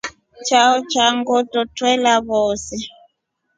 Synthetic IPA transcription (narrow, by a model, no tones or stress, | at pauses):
t͡ʃaɔt͡ʃaŋɡɔtɔtwɛlaβɔːsɛ